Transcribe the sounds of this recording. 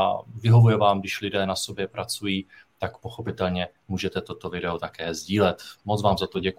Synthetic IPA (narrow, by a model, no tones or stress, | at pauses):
avɪɦo̞vujɛvaːmɡdɪʃlɪdɛːnaso̞bjɛpɾat͡sujiː | t̪akpo̞xo̞pɪt̪ɛlɲɛ | muːʒɛt̪ɛt̪o̞t̪o̞vɪdɛot̪akɛːzɟiːlɛt̪mot͡svaːmzat̪oɟɛk